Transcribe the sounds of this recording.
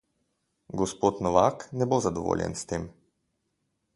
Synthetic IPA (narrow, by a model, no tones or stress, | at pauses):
ɡɔspoːt̪nɔʋaknɛbozad̪ɔʋo̰ːljɛ̰nst̪eːm